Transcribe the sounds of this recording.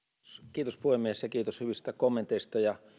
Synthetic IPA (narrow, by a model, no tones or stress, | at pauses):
skiːt̪ospuhemːiesjɑkiːt̪oshyʋist̪ækomːent̪eist̪ɑjɑ